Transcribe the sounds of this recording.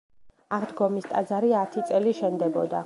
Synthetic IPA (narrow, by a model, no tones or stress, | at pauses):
aʁd̪ɡɔmist̪ʼad̪zaɾiat̪ʰit̪sʼɛliʃɛnd̪ɛbɔd̪a̰